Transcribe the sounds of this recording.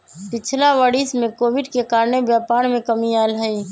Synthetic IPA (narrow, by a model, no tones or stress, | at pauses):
pɪt͡ʃʰlaʋəɽismẽkoːʋɪɖkekaːɾnebjaːpaːɾmẽkəmiaːlɦəi